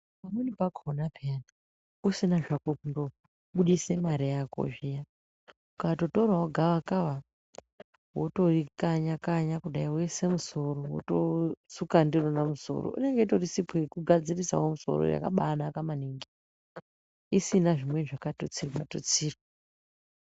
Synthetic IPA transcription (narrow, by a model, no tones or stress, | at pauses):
pamunipakʰonapiana | usinaʐakokundo | ɓuɗisemaɾijako̰ʒija | ukato̞torwawoɡʱaʋakaʋa | woto̞rikaɲakaɲakuɗaiwese̞muso̞ɾowo̰tosukandironamuso̞̰ro̰ʔḭne̞ŋɡe̞torisipekuɡʱad͡zirisa̰womuso̰ɾo̰ja̰ka̰ɓanakamaniŋɡi | isinaʐimwe̞ʐakatot͡sirato̰t͡siːro